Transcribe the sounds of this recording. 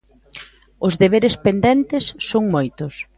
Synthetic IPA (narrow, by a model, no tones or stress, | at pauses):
ʊzðeβ̞eɾespend̪ɛnt̪ɪsːoŋmojt̪ʊs